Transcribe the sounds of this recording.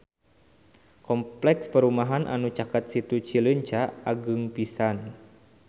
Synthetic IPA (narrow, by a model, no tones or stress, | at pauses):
kɔmplɛkspəɾumaɦanʔa̰nut͡ʃakat̪̚sit̪ut͡ʃiləɲt͡ʃaaɡɨŋpisan